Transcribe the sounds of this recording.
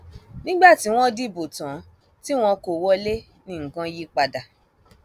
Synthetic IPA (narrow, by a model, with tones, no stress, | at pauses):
nĩ˦ɡ͡ba˦˨ti˨˦w̃ɔ̃˦di˦˨bo˨tã˨˦ | ti˦w̃ɔ̃˧ko˨wɔ˦le˦ | nĩ˨˦˨ŋ̩˨kã˧ji˦k͡pa˧da˨